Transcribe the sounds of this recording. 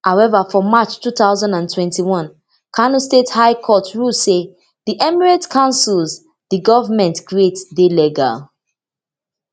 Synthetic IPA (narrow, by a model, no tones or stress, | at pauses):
haʊɛvafɔmat͡ʃtuθaʊzãndãntʰwɛ̃ntiwɔ̃n | kʰanostethaɪkʰɔtɹuse | ðiʔɛmiɹatkʰãʊ̃nsilz | ðiɡɔvəmɛ̃ntkɹietdelɛɡa̰l